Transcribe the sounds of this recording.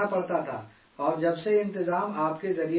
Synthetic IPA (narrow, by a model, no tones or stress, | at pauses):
apɐɽt̪at̪ʰa̰ː | ɔːɾd͡ʒɐbsejeɪ̃nt̪ɪzaːmaːpkezɐɾi